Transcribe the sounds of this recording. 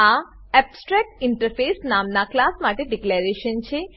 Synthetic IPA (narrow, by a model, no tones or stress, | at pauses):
a | ɛbsʈɾɛk̚ʈɪɳʈəɾfesnamnaklasmaʈeɖɪkleɾeʃənt͡ʃʰe